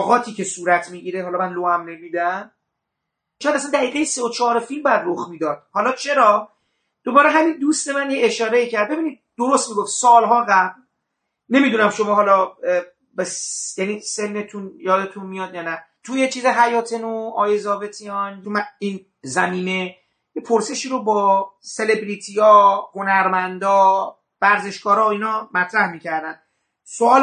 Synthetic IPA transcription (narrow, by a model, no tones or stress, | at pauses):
ɣɒːt̪ʰiːcesuːɾæt̪ʰmiːɟiːɾeɦɒlɒmænloæmnemiːd̪æm | ʃoojæd̪æsænd̪æɣiːɣe̞jeseot͡ʃʰɒːɾefilmbɒjæd̪roxmiːd̪ɒːd̪̥hɒlɒːt͡ʃʰe̞ɾɒː | d̥̪obɒːɾeɦæmind̪ust̪e̞mænjeeʃɒːɾeiːcʰæɾd̪̚be̞biːniːd̪̚d̪̥oɾost̪miːɡo̞ft̪sɒːlɦɒːɣæbl | ne̞mid̪unæmʃo̞mɒːɦɒːlɒ | besjæniːse̞nːet̪ʰunjɒːd̪e̞t̪ʰunmijɒːd̪jɒːnæ | t̪ʰujet͡ʃʰiːzeɦæjɒːt̪ʰenuɒːjezɒːve̞t̪ʰijɒnjomæiːn | zæmiːne | jepʰoɾse̞ʃiːɾobɒːse̞le̞bɾit̪ʰijɒːhonæɾmænd̪ɒː | væɾze̞ʃkɒːɾɒːiːnɒmæt̪ʰɾæhmiːcʰæɾd̪æn | soɒːl